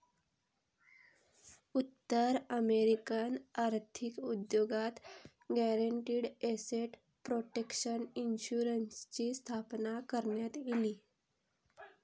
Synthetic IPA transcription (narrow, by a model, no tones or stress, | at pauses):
ut̪ːəɾəmeɾikanaɾt̪ʰikud̪joɡat̪ | ɡɛɾəɳʈiːɽeseʈ | pɾoʈekɕəninɕuɾənst͡ɕiːst̪ʰapnakəɾɳjat̪jiliː